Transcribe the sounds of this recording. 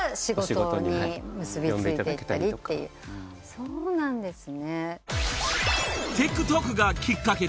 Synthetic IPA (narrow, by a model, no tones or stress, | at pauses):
ɕiɡot̪ɲimɯ̟sɨbʲit͡seɨieiet̪ːa̰ɾʲit̪ːe̞̰jɯ̰ː | soːnãnd̪e̞sɨne̞ | t̪e̞kːɯ̟t̪okɯ̟ɡakʲikːake̞